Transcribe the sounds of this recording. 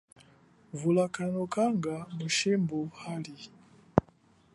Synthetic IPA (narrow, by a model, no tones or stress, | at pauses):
vulakanɔkaŋɡamuʃimbuhali